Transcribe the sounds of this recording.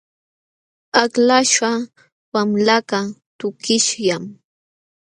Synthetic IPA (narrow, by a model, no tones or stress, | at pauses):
aklaʃa | wamlakat̪ʊkɪʃjam